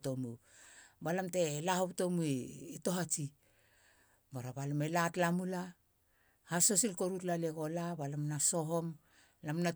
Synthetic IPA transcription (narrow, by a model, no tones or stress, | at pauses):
to̞mubalamte̞lahopto̞muːto̞ɦat͡ʃi | baɾabalame̞latlamula | haso̞silko̞ɾutlaleɡo̞labalamnaso̞ɦo̞m | lamna